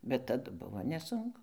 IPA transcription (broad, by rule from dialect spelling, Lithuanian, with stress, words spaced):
bʲɛt tɐˈdʊ ˈbʊʋoː nʲɛˈsʊŋkʊ